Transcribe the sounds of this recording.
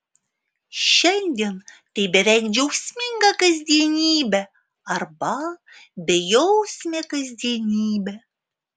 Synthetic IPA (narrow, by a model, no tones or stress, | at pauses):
ʃɛnʲd̪ʲen | t̪ebeɾækd͡ʒowsʲmʲeŋɡɑkəzʲd̪ʲenʲibɘ | ɑrbɑ | bejowsʲmʲekəzʲd̪ʲenʲibɘ